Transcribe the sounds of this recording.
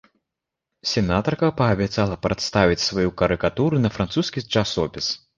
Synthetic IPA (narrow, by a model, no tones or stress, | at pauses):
sʲɛnat̪ɐrkɐpɐːbʲɛt̪salˠɐpɾɛt̪st̪avʲit͡sʲsvajukɐɾɨkat̪uɾunɐfɾant̪suskʲit͡ʂasɔpʲis